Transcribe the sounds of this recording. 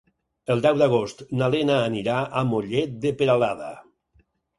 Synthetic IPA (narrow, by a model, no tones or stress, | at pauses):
əlˠd̪ɛwd̪aɣ̞ost̪nalenaːniɾaamoʎet̪̚d̪epeɾalaða̰